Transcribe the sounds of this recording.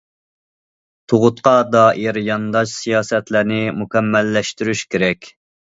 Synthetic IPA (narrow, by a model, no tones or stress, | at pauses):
t̪ʰoʁʊt̪qɑd̪ɑːʔiɾjɑnd̪ɑʃsijɑːsɛt̪læɾnɪmukʲɛmːɛlːɛʃt̪yɾyʃkʲeɾɛkʲ